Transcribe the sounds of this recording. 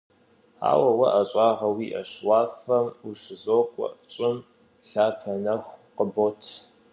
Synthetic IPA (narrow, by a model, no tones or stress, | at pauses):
a̰ːwɐwɐʔɐɕʼɑːʁɐwiːʔɐ̰ɕwaːfɐmuɕɪzoːkʷʼɔ̰ʔt͡ʃʼɪm | ɬaːpʰɐnɐxʷqəbotʰ